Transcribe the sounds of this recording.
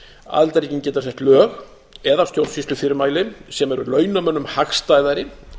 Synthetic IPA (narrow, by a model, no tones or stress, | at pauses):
a̰lt̪aɾecɪncɛːt̪asɛht̪lœːɣ | ɛðawst̪jowɾsist̪lʏfɪːɾɪɾmaːjlɪsɛmɛɾʏlœːɥnamœnːʏmhaxst̪aːjðaɾɪ